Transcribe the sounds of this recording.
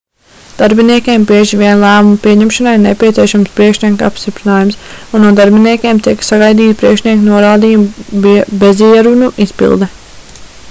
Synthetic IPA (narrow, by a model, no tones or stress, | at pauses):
d̪̥aɾbiniɛkʲeːmbiɛʒiʋiɛnlˠæːmumpiɛɲɛmʃanajnepʲiɛt̪siɛʃamspɾiɛkʃnʲiɛka̰pst̪ipɾinaːjumsunnːuɔd̪aɾbiniɛkʲeːmt̪iɛksaɡajd̪iːt̪pɾiɛkʃnʲiɛknuɔɾaːd̪iːjum | beziɛɾunuʔispḭlˠd̪ɛ